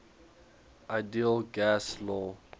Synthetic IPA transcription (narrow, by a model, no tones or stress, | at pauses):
aɪdiəlɡæslɔ